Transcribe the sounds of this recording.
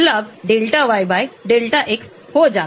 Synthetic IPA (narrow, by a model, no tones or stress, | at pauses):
labɖelʈaʋajbajɖelʈaʔeks | hod͡za